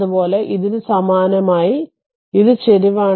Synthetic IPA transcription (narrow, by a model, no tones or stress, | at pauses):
upo̞ːle̞ʔiðiɾsɐmaːnɐmaːji | iðɨt͡ɕeɾiʋaː